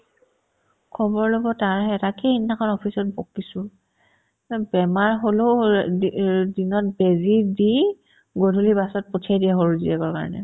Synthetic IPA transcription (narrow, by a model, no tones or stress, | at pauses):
kʰɔbɔɹlobɔtaɹɛtakʰeinːakʰɔnɔpʰisɔt̚bokːisʊ | bɛmaɹɦolo | dinɔt̚bezidi | ɡodʱulibasɔt̚potʰiajdiɛɦoɹuzḭɛkɔɹka̰ɹɔnɛ̰